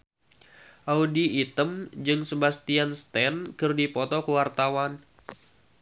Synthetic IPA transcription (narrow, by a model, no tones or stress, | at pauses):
ʔaudiːt̪əmd͡ʒɨŋsəbast̪ianst̪ɛnkɨrdipɔt̪ɔkəwart̪awan